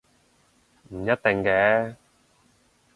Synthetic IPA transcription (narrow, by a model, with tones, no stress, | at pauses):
m̩˨˩jɐ˦˥t̚t̪ɪ˨ŋkɛː˨˥